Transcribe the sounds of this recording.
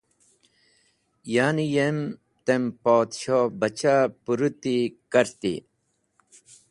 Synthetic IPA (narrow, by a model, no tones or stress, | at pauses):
jaːnijem | t̪empoːd̪ɕobɐt͡ɕapuɾut̪ikɐɾt̪ḭ